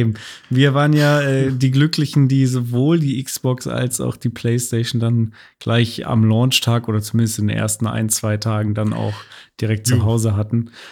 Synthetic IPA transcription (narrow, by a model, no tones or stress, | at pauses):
ʔeːbm̩ | viːɐvaːʁənjaːʔɛːdiːɡlʏklɪçn̩diːzovoːldiːʔɪksb̥ɔksʔa̰lsa̰ʊxd̥iːpʰl̥eɪsteɪʃn̩dan | ɡ̥laɪça̰mlɔːnt͡ʃtʰaːkʔoːdɐt͡sumɪndəstɪndeːnʔḛːɐstn̩a̰ɪnt͡sv̥aɪtʰaːɡŋ̩dana̰ʊxd̥iːʁɛk̚t̚t͡suɦaʊzəɦatn̩